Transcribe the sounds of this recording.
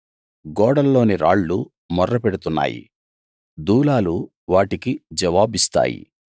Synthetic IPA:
ɡɔːɽɐlːo̞ːniɾaːɭːu | mɔrːɐpeɽut̪unːa̰ːjḭ | d̪uːlaːlu | ʋaːʈikid͡ʒɐʋaːbist̪a̰ːjḭ

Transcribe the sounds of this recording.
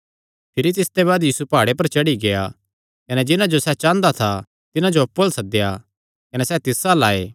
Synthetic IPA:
pʰɪɾit̪̬ɪst̪eβaːd̪jiːsupaːɽepɐɾt͡ʃɐɽiɡeja | kɐnɛd͡ʒɪnãd͡ʒosɛt͡ʃãːnd̪at̪ʰa | t̪ɪnãd͡ʒoɐpːoːlsɐd̪eja | kɐnɛsɛt̪ɪsalaːeː

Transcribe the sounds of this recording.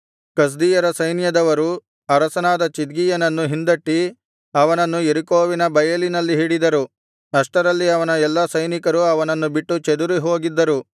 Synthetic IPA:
kɐs̬d̪iːjɐɾɐsɐjnjɐd̪ɐʋɐɾu | ɐɾɐsɐnaːd̪ɐt͡ʃid̪ɡijɐnɐnːuɦind̪ɐʈːi | ɐʋɐnɐnːueɾikoːʋinɐbɐjɐlinɐlːiɦiːɽid̪ɐɾu | ɐʂʈɐɾɐlːiɐʋɐnɐɛlːɐsɐjnikɐɾuɐʋɐnɐnːubiʈːut͡ʃed̪uɾiɦo̞ːɡid̪ːɐɾu

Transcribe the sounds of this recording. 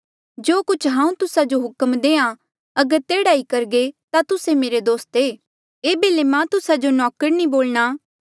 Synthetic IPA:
d͡ʒoːkʊt͡ʃʰɦãːũt̪ʊsad͡ʒoɦʊkmd̪eːã | ɐɡəɾt̪eːɽaːikɐɾɡet̪at̪ʊsemeːɾed̪oːst̪eː | eːbeːlemãːt̪ʊsad͡ʒonɔːkəɾnĩboːlɽaː

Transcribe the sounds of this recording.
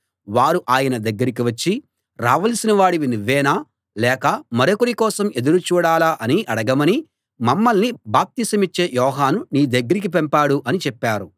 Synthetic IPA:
ʋaːɾuʔaːjɐnɐd̪ɐɡːɐɾik̬iʋɐt͡ʃːi | ɾa̰ːʋɐlsinɐʋaːɽiʋinuʋːɛːnaː | lɛːkɐmɐɾokoɾikɔːsɐme̞d̪uɾut͡ʃuːɽaːlaːʔɐniʔɐɽɐɡɐmɐni | mɐmːɐlnibaːp̚t̪isɐmit͡ʃːe̞ːjɔːɦaːnuniːd̪ɐɡːɐɾik̬ip̬ɛmpaːɽuʔɐnit͡ʃɛpːaːɾu

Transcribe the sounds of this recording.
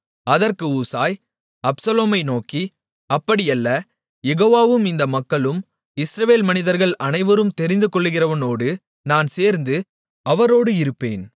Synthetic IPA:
ɐðɐrkɯuːsaːj | ɐpsɐloːmɐɪnoːki | ɐpːɐɽɪjɐlːɐ | jɛɣoːʋaːʋɯmɪnd̪ɐmɐkːɐɭɯm | ɪsɾɐʋeːlmɐnɪðɐɾɣɐɭɐnɐɪʋɐɾɯmt̪ɛɾɪnd̪ɯkɔɭːɯɣɪrɐʋɐnoːɽɯ | naːnseːɾnd̪ɯ | ɐʋɐɾoːɽɯɪɾɯpːḛːn

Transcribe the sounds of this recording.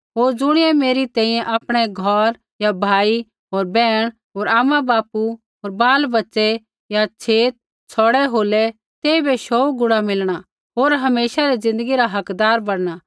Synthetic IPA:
ɦoːɾd͡zʊɽ̃ɪjɛmeːɾit̪ɛ̃ːĩjɛ̃ʔaːpɽ̃ɛɡʱɔɾ | jabʱaːi | ɦoːɾbɛːɽ̃ | ɦoːɾaːmabaːpu | ɦoːɾbaːlbɐtːsɛ | jat͡ʃʰeːt̪̚ | t͡sʰɔːɽɛɦoːlɛ | t̪eːibeʃoːuɡʊɽamɪlɽ̃a | ɦoːɾɦɐmeːʃaɾizɪ̃nd̪əɡiɾaɦɐkd̪aːɾbɐɽɽ̃aː

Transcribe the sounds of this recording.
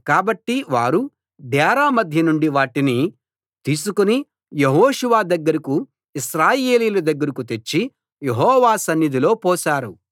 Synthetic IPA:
kaːbɐʈːiʋaːɾu | d̪ʱɛːɾaːmɐd̪ʱjɐnuɳɖiʋaːʈini | t̪iːsukuni | jeɦoːʂuʋaːd̪ɐɡːɐɾɐku | iʃɾaːje̞ːliːlɐd̪ɐɡːɐɾɐkut̪e̞t͡ʃːi | jeɦɔːʋaːsɐnːjid̪ilo̞ːpɔːsaːɾu

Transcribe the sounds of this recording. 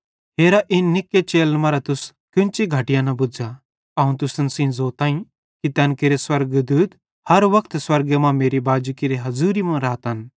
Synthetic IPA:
ɦeːɾaʔɪnːɪkːet͡ʃeːlmãɾɐt̪ʊs | kʊ̃nt͡ʃiɡʱɐʈijãnɐbʊd͡ʒa | ɐːũt̪̬ʊsənsĩːzoːt̪aːĩ | kit̪ɛːnkiɾeswɐɾɡd̪uːd̪ | hɐɾʋɐkʰt̪swɐɾɡemãmeːɾibaːd͡ʒukiɾeɦɐzuːɾimɐ̃ɾaːt̪ɦɐn

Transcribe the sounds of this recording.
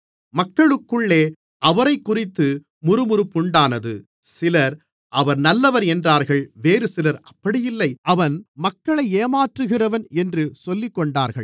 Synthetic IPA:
mɐkːɐɭɯkːɯɭːeː | ʔɐʋɐɾɐɪkːʊrɪt̪ːɯ | mʊɾɯmʊɾɯpːʊɳɖaːnɐðɯ̰ | sɪlɐɾ | ʔɐʋɐɾnɐlːɐʋɐɾɛndraːɾɣɐɭʋeːɾɯsɪlɐɾɐpːɐɽɪjɪlːɐɪʔɐʋɐnmɐkːɐɭɐɪeːmaːʈrɯɣɪrɐʋɐnɛndrɯsɔlːɪkːɔɳɖaːɾɣɐɭ

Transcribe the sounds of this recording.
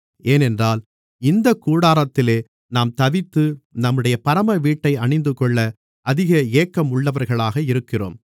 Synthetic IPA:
eːnɛndraːl | ɪnd̪ɐkːuːɽaːɾɐt̪ːɪleː | naːmt̪ɐʋɪt̪ːɯnɐmːɯɽɐjɐpɐɾɐmɐʋiːʈːɐɪɐɳɪnd̪ɯkːɔɭːɐ | ʔɐðɪɣɐeːkːɐmʊɭːɐʋɐɾɣɐɭaːɣɐɪɾɯkːɪro̰ːm

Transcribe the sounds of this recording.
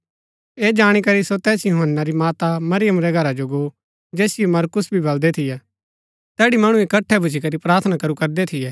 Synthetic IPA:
eːd͡ʒaːɽ̃ikɐɾisot̪ɛːsjʊɦənːaɾimaːt̪amɐɾɪjəmɾɛɡʱɐɾad͡ʒoɡoː | d͡ʒeːsɪjomɐɾkʊsbʱibɐld̪ɛt̪ʰɪjɛ | t̪ɛːɽimɐɽ̃ũekɐʈʰːɛbʱʊt͡ʃikɐɾipɾaːɾt̪ʰənakɐɾukɐɾd̪ɛt̪ʰɪjɛː

